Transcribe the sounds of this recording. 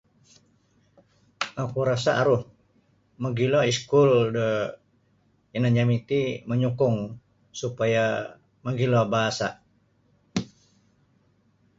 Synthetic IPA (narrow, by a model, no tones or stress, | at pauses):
akuɾasaʔaɾʊh | məɡilɔiskuldə | ənaɲamit̪iməɲukʊŋ | supaja | məɡilɔbaɦasa̰